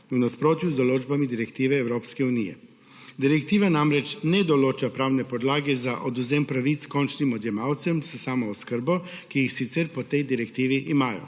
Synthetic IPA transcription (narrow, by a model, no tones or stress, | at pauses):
unaspɾoːt̪juzd̪ɔloːd͡ʒbamid̪iɾɛkt̪iːʋɛːwɾoːpskɛunijɛ̰ | d̪iɾɛk̚t̪iːʋanamɾɛt͡ʃnɛd̪ɔloːt͡ʃapɾaːwnɛpɔd̪laːɡɛzaʔɔd̪uzɛmpɾaʋit̪skɔnt͡ʃnimɔd̪jɛmaːwt̪sɛmssaːmɔːskəɾbɔkijixsit̪sɛɾpɔt̪ɛjd̪iɾɛkt̪iːʋiʔimaːjɔ̰